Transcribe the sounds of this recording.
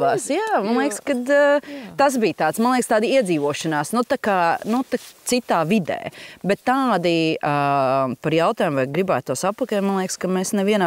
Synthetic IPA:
aːsjaːmanlˠeɛkskad̪t̪as̬biːt̪aːt̪smanlˠeːkst̪aːd̪iiɛd̪ziːʋuɔʃɐnaːsnut̪akaːnut̪at̪sit̪aːvid̪ɛ̰ːbɛt̪ːaːd̪iapaɾjawt̪aːjumvajɡɾibaːt̪̚t̪ːuɔsapːɐkɛt̪manlˠeɛkskameːsnɛviɛnaː

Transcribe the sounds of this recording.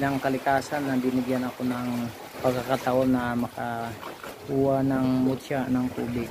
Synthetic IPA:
naŋkalikasanːabimiɡianakunaŋ | pakakat̪aʊnːamaka | uanaŋmutt͡ʃanaŋkubɪk̚

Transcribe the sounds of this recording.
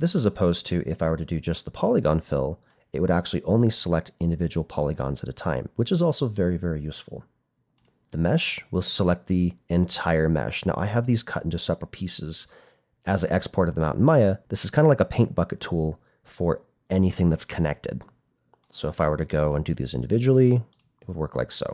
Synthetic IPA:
ðɪsɨzəpʰoʊztʰɨʔɪfaɪwə˞ɾɨdɨd͡ʒʌst̪̚ðəpʰɑlˠɨɡɑ̃nfɪ̰lˠ | ɨ̰ʔ̚wəɾæk̚t͡ʃʉl̩ˠiʔõʊ̃nlisəlɛk̚tɪ̃ndɨvɪd͡ʒɨwl̩ˠpʰɑlˠɨɡɑ̰̃nzɨɾɨtʰãɪ̃mwət͡ʃɨzɔlˠsoʊvɛɹivɛɹijʉsfl̩ˠ | ðɨmɛʃwəlˠsəlɛk̚t̪̚ðiɨ̃ntʰaɪə˞mɛ̰ʃna̰ʊʔa̰ɪɨvðiz̥kʰʌɾʔɪ̃ntʉsɛpɹl̩ˠpʰisɪz̥ | ʔɨziʔɛkspʰɔɹɾɨd̪ð̃mã̰ʊ̃ʔn̩maɪɨðɪsɨz̥kʰãɪ̃ndəlaɪkəpʰẽɪ̃nb̥ʌkɨtʰulˠ | fə˞ | ʔɛniθɪ̃ŋðɨtskʰənɛ̰k̚tʰɨ̰d̥ | soʊəfaɪwə˞ɾɨɡoʊə̃ndɨðḭzɪ̰̃ndɨvɪd͡ʒɨwl̩ˠi | ɪt̚wəd̚wɜ˞kla̰ɪkso̰ʊ

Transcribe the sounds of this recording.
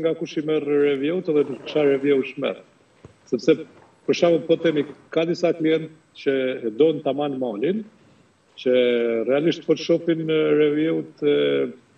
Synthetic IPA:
ŋɡakuʃimɛrɾɛvjɛwut̪ɛðɛnukʃaɾɛvjɛwʃmɛ̰r | sɛpsɛ | pəɾʃawupɔt̪ɛmikkːad̪isakliɛnt̪ | t͡ɕəɛd̪ɔnt̪amanmalin | t͡ɕərɛaliʃt̪fɔʃɔfinɾɛvjɛwut̪ɛ

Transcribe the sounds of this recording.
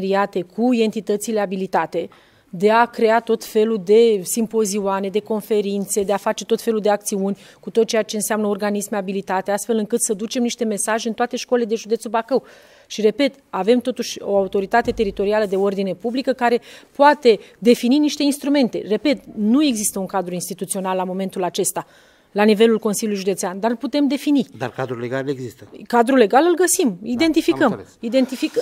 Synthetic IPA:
ɾiat̪e̞kʰuid̪e̞nt̪it̪ət̪sileabilit̪at̪e̞ | d̪e̞akɾe̞at̪o̞t̪fe̞lud̪e̞simpo̞ziuane̞d̪e̞ko̞nfe̞ɾint̪se̞d̪eafat͡ʃe̞t̪o̞t̪fe̞luld̪e̞ak̚t̪siunʲ | kut̪o̞t̪̚t͡ʃejat͡ʃe̞ɨnseamnəorɡanismeabilit̪at̪east̪fe̞lɨŋkɨt̪səd̪ut͡ʃe̞mniʃt̪e̞me̞saʒeɨnt̪oat̪e̞ʃkoleled̪e̞ʒud̪et̪subakəw | ʃire̞pe̞t̪ave̞mt̪o̞t̪uʃʲo̞̰aut̪o̞ɾit̪at̪e̞t̪e̞ɾit̪o̞ɾialəd̪e̞o̞rd̪ine̞publikəkaɾe̞poat̪e̞d̪e̞fininiʃt̪e̞inst̪ɾume̞nt̪e̞re̞pe̞t̪̚nue̞ɡzist̪əuŋkad̪ɾuinst̪it̪ut̪sio̞nalːamo̞me̞nt̪ulat͡ʃe̞st̪a | lanive̞lulkonsilʲjulujiʒud̪e̞t̪seand̪arlput̪e̞md̪e̞finid̪a̰rkad̪ɾuleɡaleɡzist̪əkad̪ɾule̞ɡalɨlɡəsimid̪e̞nt̪ifikəmid̪e̞nt̪ifik

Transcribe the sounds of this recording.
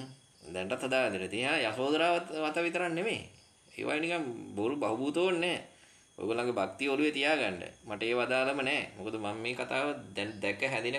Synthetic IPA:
d̪ɛɳʈat̪ɦad̪aːʋɛd̪inet̪iɦaːjasoːd̪ɐɾaːʋaʋat̪əʋit̪əɾanːemḛː | ḛːʋʔa̰jenikaŋboɾubaɦubuːt̪oːnːɛː | o̰jɡolaŋɡebak̚t̪ijəoluʋet̪ijaːɡaɳɖə̰maʈəeːʋad̪aːləmənɛːmokod̪əmamːeːkat̪aːʋəd̪ɛnd̪ɛkəɦæd̪inə

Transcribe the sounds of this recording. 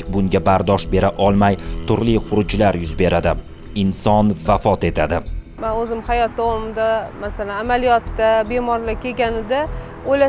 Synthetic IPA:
bʊŋɡʲabaɾd̪ɒʃbe̞ɾaʔɒlˠmajt̪ʰʊɾliχʊɾʊd͡ʒlaɾjʊzbe̞ɾad̪ɪ | ɪnsɒnvafɒt̪e̞t̪ʰad̪ɪ | manɵzɪmhajɒt̪̚d̪ɒwɒmɪd̪amasalanamalijɒt̪ːabe̞mɒɾlakʲʰeɡʲanɪd̪a | ojla

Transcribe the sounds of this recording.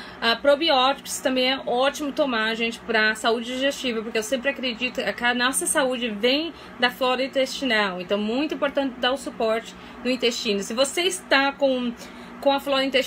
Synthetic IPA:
apɾobiɔt͡ʃi̥kʊ̥st̪ɐ̃mbẽj̃ɛʔɔt͡ʃimʊt̪õmaɾɐʒẽnt͡ʃɪ̥pɾɐsaud͡ʒɪd͡ʒiʒest͡ʃivɐpoɾkeewsẽmpɾɪakɾed͡ʒit̪ʊkakanɔsɐsaud͡ʒɪvẽj̃ | d̪ɐflɔɾɐĩnt̪est͡ʃinawẽnt̪ɐ̃w̃ɛmũj̃t̪ʊĩpoɾt̪ɐ̃nt͡ʃɪd̪aɾʊsupɔɾt͡ʃɪ̥ | nʊĩt̪est͡ʃĩnʊsɪvoseɪst̪akõ | kõɐflɔɾĩt̪e

